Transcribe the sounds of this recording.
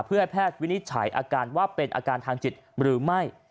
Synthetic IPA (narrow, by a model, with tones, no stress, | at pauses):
pʰɯ˥˩ha˥˩jpʰɛː˥˩t̪̚wi˦˥ni˦˥t̪̚t͡ɕʰa̰˩˦jʔa̰ː˧kaː˧nwaː˥˩pe˧nʔa̰ː˧kaː˧nt̪ʰaː˧ŋt͡ɕi˨˩t̪̚ɾɯː˩˦ma˥˩j